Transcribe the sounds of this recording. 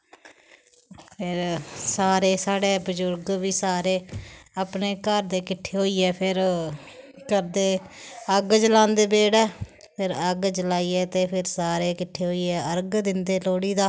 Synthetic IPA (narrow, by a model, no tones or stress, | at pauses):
pʰɪɾsaːɾeːsaːɽeːbəd͡ʒʊɾɡʋiːsaːɾeːəpneːkəɾd̪eːkɪʈʰːeːɦoːiːɛːpʰɪɾ | kəɾd̪eːəɡd͡ʒəlãːnd̪eːbeːɽɛː | pʰɪɾəɡd͡ʒəlaːiːɛːt̪eːpʰɪɾsaːɾeːkɪʈʰːeːɦoːiːɛːəɾɡd̪ɪnd̪eːloːɽiːd̪aː